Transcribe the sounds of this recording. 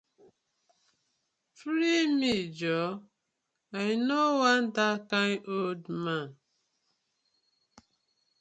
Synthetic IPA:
fɾimid͡ʒɔ | ajnowãndakãnʔoldman

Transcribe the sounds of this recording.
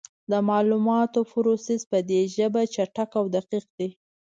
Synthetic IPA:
d̪əmɑlumɑt̪ofʊɾosizpəd̪eʒəbat͡ʃaʈakawd̪aqiq̚d̪e

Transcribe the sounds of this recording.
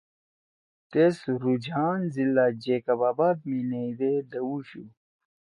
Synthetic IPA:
t̪esɾud͡ʑaːnzilːad͡ʑekɐbaːbaːb̚mineid̪ed̪ɐwuɕu

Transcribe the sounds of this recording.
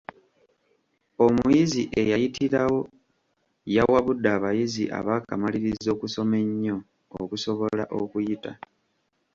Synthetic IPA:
o̞mujiziʔe̞jajitʰiɾawo̞ | jawaβudːaːβajiziʔa̰βaːkamaliɾizo̞ːkuso̞me̞ɲːo̞ː | kuso̞βo̞laʔo̞kujita

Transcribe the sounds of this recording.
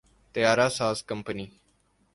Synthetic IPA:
t̪əjaːɾaːsaːzkəmpəniː

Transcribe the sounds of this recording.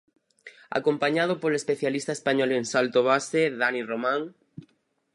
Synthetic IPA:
a̰kompaɲað̞opolespeθjalist̪aespaɲɔleŋsalt̪oβ̞aseðaniromãŋ

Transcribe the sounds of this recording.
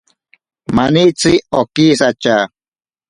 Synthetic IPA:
manit͡siokisat͡ʃa

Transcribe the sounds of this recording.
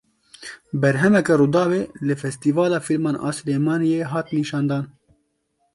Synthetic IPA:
bɛɾɦɛmɛkɛɾuːd̪ɑːweːlɨfɛst̪iːvɑːlɑːfilmɑːnʔɑ̰ːsleːmɑːnijeːɦɑːt̪niːʃɑːnd̪ɑːn

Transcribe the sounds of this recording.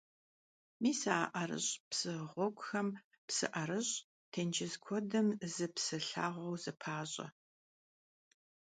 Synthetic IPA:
miːsaːʔɐɾɨ̰ɕpsɨʁʷɔɡʷʼʊxɐm | psɨ̰ʔɐɾɨɕ | tʰɐnt͡ʃʰɪzkʷʰɔdɐmzɨpsɨɬa̰ːʁʷɐwzɨpʰaːɕʼɐ̰

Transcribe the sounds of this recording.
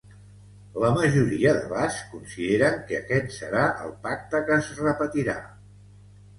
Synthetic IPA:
ləməʒuɾiəðə̰βaskunsiðeɾəŋkəkɛt̪sə̰ɾaʔə̰lˠpak̚t̪əkəzrəpət̪iɾa

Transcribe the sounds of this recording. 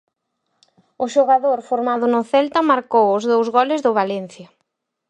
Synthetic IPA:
ʊʃoɣaðoɾfoɾmaðʊnʊθɛlt̪ɐmaɾkowʊzðowzɣɔlɪzðʊβalɛn̟θjɐ

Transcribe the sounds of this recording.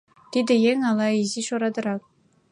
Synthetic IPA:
t̪ʲid̪ʲɘ̆jeŋɑlˠɑiziʃoɾɑd̪ɤ̆ɾɑk̚

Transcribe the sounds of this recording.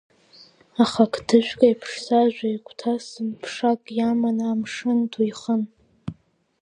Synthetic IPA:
aχakʰdʰɨʃᶣʷkʼajpʰʂsaʒᶣʷajkʷʰʼtʰasɨmpʰʂakʼjamanaːmʂɨndʰujχən

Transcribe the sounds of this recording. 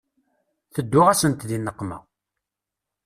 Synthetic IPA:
θəd̪ːʊʁæsənt̪ðinːəqːmæ̰

